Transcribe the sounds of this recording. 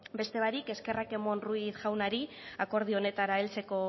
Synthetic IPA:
be̞st̪e̞βaɾike̞ske̞rake̞mo̞nruisʝawnaɾi | ako̞ɾð̞io̞ne̞t̪aɾaelt͡se̞ko̞

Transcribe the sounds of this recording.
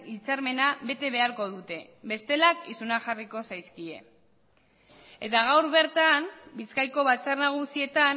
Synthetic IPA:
it͡saɾme̞naβe̞t̪e̞βe̞aɾko̞ðut̪e̞ | βe̞st̪e̞lakisunaxariko̞sajskie̞̰ | e̞t̪aɣ̞awɾβe̞ɾt̪ambiskajko̞βat͡sarnaɣ̞usie̞t̪an

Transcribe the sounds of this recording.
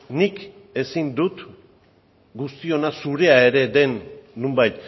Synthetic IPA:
nik | e̞sind̪ut̪ | ɡust̪io̞nasuɾe̞ae̞ɾe̞d̪e̞nːumbajt̪

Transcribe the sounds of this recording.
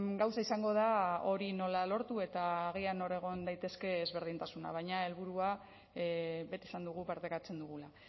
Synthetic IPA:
ɡawsaisaŋɡo̞ð̞ao̞ɾino̞lalo̞ɾt̪ue̞t̪aːɣ̞iano̞ɾe̞ɣ̞o̞nd̪ajt̪e̞ske̞ːzβe̞ɾð̞int̪asuna̰βajɲae̞lβuɾua | βe̞t̪isand̪uɣ̞upaɾt̪e̞kat͡se̞nd̪uɣ̞ula

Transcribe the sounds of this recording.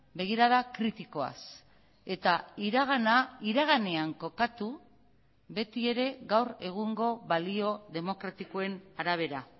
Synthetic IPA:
be̞ɣ̞iɾaðakɾit̪iko̞a̰s | e̞t̪aiɾaɣanaiɾaɣ̞ane̞aŋko̞kat̪u | βe̞t̪ie̞ɾe̞ɣawre̞ɣ̞uŋɡo̞βalio̞ðe̞mo̞kɾat̪iko̞e̞naɾaβ̞e̞ɾa

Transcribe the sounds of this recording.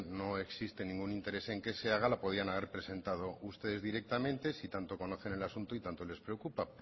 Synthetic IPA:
no̞e̞ksist̪e̞nĩŋɡunint̪e̞ɾe̞se̞ŋke̞se̞aɣ̞alapo̞ð̞ianaβe̞ɾpɾe̞se̞nt̪að̞o̞ust̪e̞ð̞e̞zðiɾe̞k̚t̪amẽ̞nt̪e̞sit̪ant̪o̞ko̞no̞θe̞ne̞lasunt̪oit̪ant̪ole̞spɾeokupap

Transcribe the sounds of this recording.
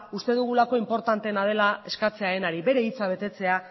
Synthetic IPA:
ust̪e̞ðuɣ̞ulako̞impo̞ɾt̪ant̪e̞nað̞e̞lae̞skat͡se̞aenaɾiβe̞ɾe̞it͡saβ̞e̞t̪e̞t͡se̞a

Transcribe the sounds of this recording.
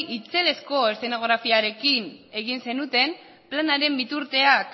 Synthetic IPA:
it͡se̞le̞sko̞est̪e̞no̞ɣ̞ɾafiaɾe̞kine̞ɣ̞inse̞nut̪e̞m | planaɾe̞mbit̪uɾt̪e̞ak

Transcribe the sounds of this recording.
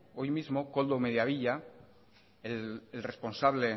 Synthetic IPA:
ojmizmo̞ko̞ld̪ome̞ðjaβiʎa | eelresponsaβle

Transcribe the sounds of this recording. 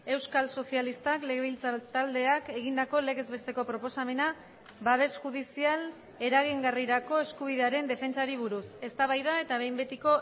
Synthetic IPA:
e̞wskalso̞sialist̪akle̞ɣeβilt͡st̪ald̪e̞ake̞ɣ̞ind̪ako̞le̞ɣe̞zβe̞st̪e̞ko̞pɾo̞po̞same̞na | βaβ̞e̞sʝuðisial | e̞ɾaɣ̞iŋɡariɾako̞e̞skuβ̞iðe̞aɾe̞nd̪e̞fe̞nt͡saɾiβ̞uɾuse̞st̪aβajðae̞t̪aβ̞e̞jmbe̞t̪iko̞

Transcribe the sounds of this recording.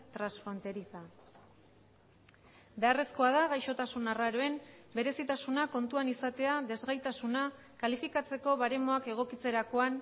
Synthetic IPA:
t̪ɾansfɾo̞nt̪e̞ɾisa | be̞are̞sko̞að̞aɣajʃo̞t̪asunaraɾoe̞mbe̞ɾe̞sit̪asunako̞nt̪uanisat̪e̞aðe̞zɣajt̪asuna | kalifikat͡se̞ko̞βaɾe̞mo̞ake̞ɣ̞o̞kit͡se̞ɾako̞an

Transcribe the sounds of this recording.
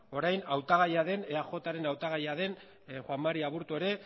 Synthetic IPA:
o̞ɾajnawt̪aɣ̞ajaðe̞neaxo̞t̪aɾe̞nawt̪aɣ̞ajaðe̞n | xwamːaɾiaβuɾt̪ue̞ɾe̞

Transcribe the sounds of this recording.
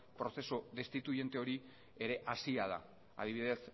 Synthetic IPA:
pɾo̞θe̞soðe̞st̪it̪uʝe̞nt̪e̞o̞ɾi | eɾe̞ʔasiað̞a̰ | a̰ð̞iβiðe̞s

